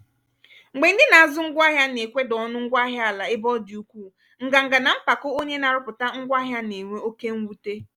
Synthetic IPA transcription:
ŋ͡m̩˨ɡ͡be˨n̩˦dɪ˦na˨a˨zʊ˦ŋ̩˦ɡʷa˦ɦja˦ne˨kʷe˦dɔ˨˦nʊ˦ŋ̩˦ɡʷa˦ɦja˦a˨la˨e˦bɔ˦dɪ˨u˦kʷuː˦˨ | ŋ̩˨ɡa˨ŋ̩˨ɡa˨na˨m̩˦pa˨kʊ˦o˦ɲe˦na˨ɾʊ˦pʊ˨ta˦ŋ̩˦ɡʷa˦ɦja˦ne˨ŋʷe˦o˦ke˦ŋ̩˦wu˦te˦

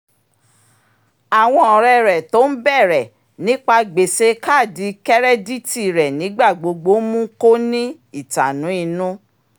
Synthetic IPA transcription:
a˨w̃ɔ̃˧ɔ˨ɾɛ˧ɾɛ˨to˨˦n̩˦bɛ˦˨ɾɛ˨ | nĩ˨˦k͡pa˧ɡ͡be˨se˧ka˦˨di˨˦kɛ˦ɾɛ˦di˦ti˦˨ɾɛ˨nĩ˨˦ɡ͡ba˦˨ɡ͡bo˨˧ɡ͡bo˨˦mũ˦ko˦nĩ˦ | i˦˨ta˨nũ˨˦i˧nũ˦

